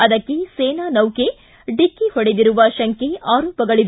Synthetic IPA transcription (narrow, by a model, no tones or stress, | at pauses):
ɐd̪ɐkːeseːnaːnɐwke | ɖikːihɔɽed̪iɾuʋɐʃɐŋkeʔaːɾɔːpɐɡɐɭiʋ